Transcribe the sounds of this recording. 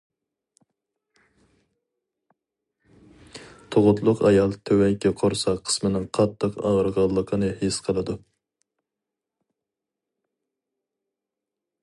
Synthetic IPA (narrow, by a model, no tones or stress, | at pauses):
t̪ʰoʁʊt̪ʰlˠʊqɑjɑlˠt̪ʰøwɛjkʲɛqʰoɾsɑqʰːə̥smɨnɨŋqʰɑt̪ʰːəqɑʁɾʁɑlˠːəqʰənɨhesqʰəlˠɨd̪u